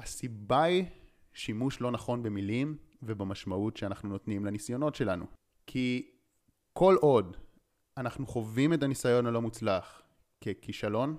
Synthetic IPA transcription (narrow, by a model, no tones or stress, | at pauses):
asibai | ʃimuʃlo̞naχo̞nbe̞milimvebemaʃmautʃeanaχnuno̞tnimlenisjo̞no̞tʃe̞lanṵ | kʰi | ko̞lʔo̞d | anaχnuχo̞vime̞tanisajo̞nalomut͡slaχ | kekiʃalo̞n